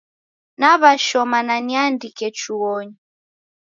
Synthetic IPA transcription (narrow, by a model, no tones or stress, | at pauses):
naβaʃɔmananiandikɛt͡ʃuɔɲi